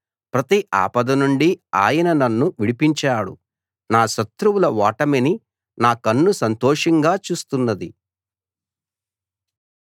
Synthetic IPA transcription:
pɾɐt̪iʔa̰ːpɐd̪ɐnuɳɖia̰ːjɐnɐnɐnːuʋiɽipiɲt͡ʃaːɽṵ | naːʃɐt̪ɾuwulɐʋaːʈɐmeni | naːkɐnːusɐnt̪ɔːʂɐŋɡaːt͡ʃuːst̪unːɐd̪i

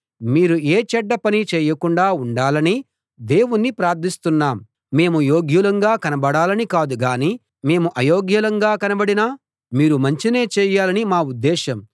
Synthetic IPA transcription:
miːɾueːt͡ʃɛɖːɐpɐnit͡ʃɛːjɐkuɳɖaːuɳɖaːlɐni | d̪e̞ːwunːipɾaːɾt̪ʰist̪unːaːmː | e̞ːmujo̞ːɡjulɐŋɡaːkɐnɐbɐɽaːlɐnikaːd̪uɡaːni | me̞ːmuʔɐjoːɡjulɐŋɡaːkɐnɐbɐɽina | miːɾumɐɲt͡ʃine̞ːt͡ʃɛːjaːlɐnimaːud̪ːɛːʃɐm

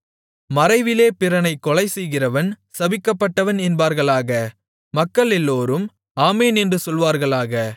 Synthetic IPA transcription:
mɐɾɐɪʋɪleːpɪɾɐnɐɪkːɔɭɐɪsɛjɣɪrɐʋɐn | sɐʋɪkːɐpːɐʈːɐʋɐnɛnbaːɾɣɐɭaːɣɐ | mɐkːɐɭɛlːoːɾɯm | aːmeːnɛndrɯsɔlʋaːɾɣɐɭaːɣɐ

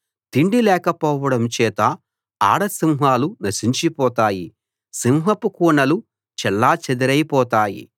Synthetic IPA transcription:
t̪iɳɖilɛːkɐpɔːʋɐɽɐmt͡ʃɛːt̪ɐ | a̰ːɽɐsimɦaːlunɐsiɲt͡ʃipɔːt̪aːjḭ | simɦɐpukuːɳɐlu | t͡ʃɛlːaːt͡ʃed̪iɾɐjpɔːt̪aːjḭ

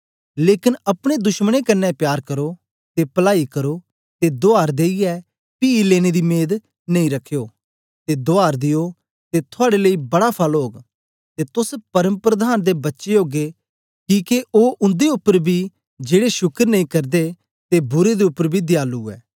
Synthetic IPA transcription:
leːkɪnɐpɽ̃ed̪ʊʃməɽ̃ekɐnːɛpjaːɾkɐɾo | t̪epɐlaːikɐɾo | t̪ed̪oaːɾd̪eːiɛ | piːileːɽ̃ed̪imeːd̪ | nɐĩɾɐkʰːjoː | t̪ed̪oaːɾd̪ɪjo | t̪et̪ʰʊaːɽeləibɐɽapʰɐlɦoːɡ | t̪et̪ʊspɐɾəmpɾəd̪ʱaːnd̪ebɐtːʃeoːɡe | kiːkeʔoːʔʊ̃nd̪eʊpːəɾbʱi | d͡ʒeːɽeʃʊkəɾnɐĩːkɐɾd̪e | t̪ebʊɾed̪eʊpːəɾbʱid̪jaːluːɛ̰ː

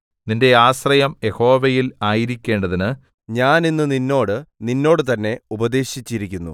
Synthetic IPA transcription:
ninde̞aːsrɐjɐmje̞ho̞ːʋɐjilaːjiɾikʲːe̞ːɳɖɐðinɨ | ɲaːninːɨninːo̞ːɽɨninːo̞ːɽɨt̪ɐnːe̞ubɐd̪e̞ːɕit͡ɕːiɾikʲːunːṵ

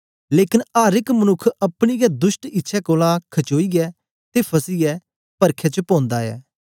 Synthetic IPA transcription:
leːkɪnaːɾɪkmənʊkʰːɐpɽ̃iɡɛd̪ʊsʈɪtːʃʰɛkoːlãkʰɐt͡ʃoːiːɡɛː | t̪eːpʰɐsiɡɛː | pɐɾkʰɛt͡ʃəpõːnd̪aɛ̰ː

